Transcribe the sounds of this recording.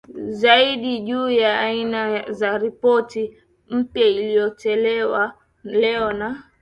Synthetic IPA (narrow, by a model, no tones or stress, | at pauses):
zaiɗiʄuːjaːinazaɾipɔti | m̩pjailijɔt͡ʃɛlɛwa | lɛɔna